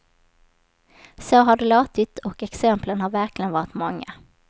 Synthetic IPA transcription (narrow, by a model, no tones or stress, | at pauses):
soːɦaɖɛloːt̪ɪt̪ɔkɛksɛmplənhaɾvæɾklɪɡənvɑːɾɪt̪mɔŋːa̰